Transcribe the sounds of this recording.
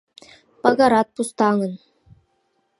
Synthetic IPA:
pɑɡɑɾɑt̪̚pust̪ɑŋɤ̆n

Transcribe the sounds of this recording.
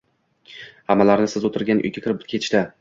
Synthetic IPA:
hamːalaɾnɪsɪzot̪ʰɪɾɡʲanʔʊ̰jɡʲakʰʲɪɾɪp̚bɪt̪̚kʰʲeɪ̥ʃt̪a

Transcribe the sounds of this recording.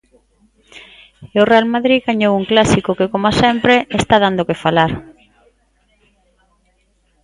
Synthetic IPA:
eorealmaðɾiðɣaɲowuŋklasikokekomasɛmpɾeest̪aðand̪okefalaɾ

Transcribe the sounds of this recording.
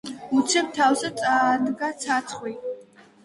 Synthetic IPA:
ut̪sʰɛp̚t̪ʰawsat̪sʼad̪ɡat̪sʰat̪sʰχwi

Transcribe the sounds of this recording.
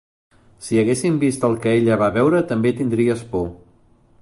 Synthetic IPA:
siəɣesimbist̪əlˠkəeʎəβ̞aβɛwɾət̪əmbet̪ind̪ɾiəspɔ

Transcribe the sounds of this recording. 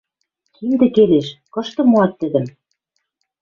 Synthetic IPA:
kimd̪ɘ̆keleʃkɤ̆ʃt̪ɤ̆moɑt̪ːɘ̆d̪ɘ̆m

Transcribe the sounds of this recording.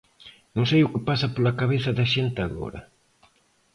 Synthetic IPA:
nõŋsejʊkɪpasɐpolakaβeθɐðɐʃent̪ɪaɣo̰ɾɐ̰

